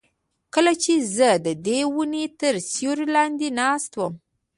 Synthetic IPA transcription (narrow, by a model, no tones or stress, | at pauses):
kəlat͡ʃezəd̪əd̪ewunet̪əɾsjoɾilɑnd̪enɑst̪wəm